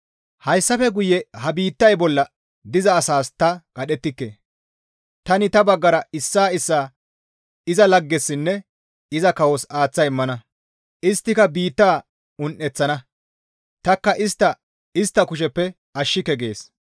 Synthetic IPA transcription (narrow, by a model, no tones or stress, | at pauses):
hɐjsːɐfɛɡʊjɛhɐbiːt̪ːɐjbɔlːɐ | d̪ɪzɐːsaːst̪ɐkʼɐɗɛt̪ːɪkːe̞̰ː | t̪ɐnɪt̪ɐbɐɡːɐɾɐɪsːaːɪsːaː | ɪzɐlɐɡːɛsːɪnːɛ | ɪzɐkɐwɔsaːt͡sːɐjɪmːɐnɐ | ʔɪst̪ːɪkɐbiːt̪ːaː | ʊnʔɛt͡sːɐnɐ | t̪ɐkːɐʔɪst̪ːɐ | ɪst̪ːɐkʊʃ̬ɛpːɛ | ɐʃːɪkɛɡe̞ːs